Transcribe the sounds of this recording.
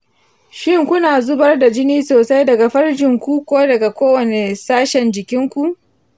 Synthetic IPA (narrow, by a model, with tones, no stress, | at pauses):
ʃɪ˦ŋkʷʊ˦naː˨zʊ˦bɐ˦rda˨d͡ʒɪ˦niː˦soː˨sa˦jdɐ˨ɡa˨ɸɐ˦rd͡ʒɪ˨ŋkʷu˦kʷoː˦dɐ˨ɡa˨kʷoː˦wɐ˨ne˨saː˦ʃɛ˨nd͡ʒɪ˨kʲɪ˦ŋkʷu˨ʔ